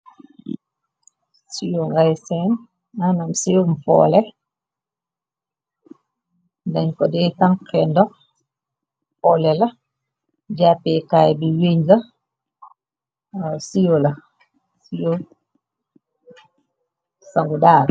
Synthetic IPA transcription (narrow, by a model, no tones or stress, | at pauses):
sijoŋɡajsɛn | anamsijomfɔ̰ːlɛ | daɲkɔdɛtaŋkʰɛndɔ | fɔlɛlɐ | d͡ʒapɛkajbiweɲla | sijola | sijo | saŋɡudaːɾ